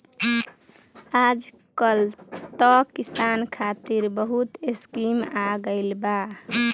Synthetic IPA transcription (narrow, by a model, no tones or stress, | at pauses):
ad͡ʒkəlt̪ɔkisankʰat̪iɾbəɦut̪eskimaɡəɪlba